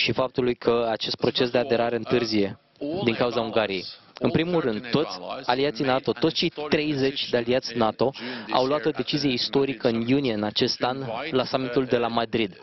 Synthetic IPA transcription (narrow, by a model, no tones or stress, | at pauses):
ʃifap̚t̪ulujkʰəat͡ʃe̞st̪̚pɾo̞t͡ʃe̞s̬d̪e̞ad̪e̞ɾaɾe̞ɨnt̪ɨrzije̞ | d̪iŋkauzauŋɡaɾije̞j | ɨnpɾimulrɨnd̪̚t̪o̞t̪sʲaliat̪sijnat̪o̞t̪otst͡ʃe̞jt̪ɾe̞jze̞t͡ʃʲd̪ealiat̪sʲnat̪o̞a̰wloat̪o̞d̪e̞t͡ʃizije̞ist̪o̞ɾikəɨnjunije̞ɨnat͡ʃe̞st̪anlasamit̪uld̪e̞lamad̪ɾid̪